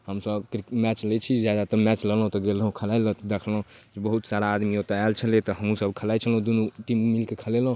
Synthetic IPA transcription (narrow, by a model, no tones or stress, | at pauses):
həmsəbkɾikmɛt͡ʃlet͡ʃʰid͡ʒjad̪at̪əmɛt͡ʃləlɦt̪ɔɡelũkʰəlajlət̪d̪ekʰlɦũ | d͡ʒebəɦut̪saɾaːd̪miot̪alt͡ʃʰəlet̪ɔɦəmũsəbkʰəlajt͡ʃʰəlũd̪unuʈimmilkekʰəlelɦ